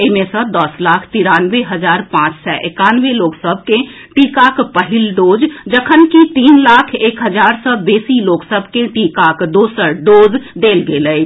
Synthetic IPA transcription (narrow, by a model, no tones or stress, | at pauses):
emẽsə̃d̪əslaːkʰt̪iɾaːnʋeɦəd͡ʒaːɾpãːt͡ʃsɔʔɪkaːnʋeloːksəb̚ʱkẽ | ʈiːkaːkpəɦɪlɖoːd͡ʒd͡ʒəkʰənkit̪iːnlaːkʰeːkɦəd͡ʒaːɾsɔbeːsiloːksəbʱkeʈiːkaːkd̪oːsəɾɖoːd͡ʒd̪eːlɡeːləi